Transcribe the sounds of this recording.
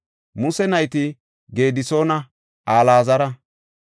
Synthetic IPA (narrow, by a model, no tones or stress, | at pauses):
mʊsɛnɐjt̪ɪ | ɡe̞ːd̪ɪso̞ːnɐ | aːlaːzɐɾɐ